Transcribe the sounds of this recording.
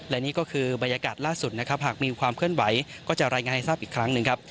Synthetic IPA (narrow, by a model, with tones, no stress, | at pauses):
lɛ˦˩niː˦˥kɔː˥˩kʰɯː˧ba˧nja˧kaː˨˩t̪̚laː˥˩su˨˩t̪̚na˦˥kʰa˦˥p̚ɦaː˨˩k̚miː˧kʰwaː˧mkʰɯ˥˩ənwa˩˦jkɔː˥˩t͡ɕa˨˩ɾaː˧jŋaː˧nha˥˩saː˥˩pʔiː˨˩kʰːɾa˦˥ŋnɯ˨˧ŋkʰa˦˥p̚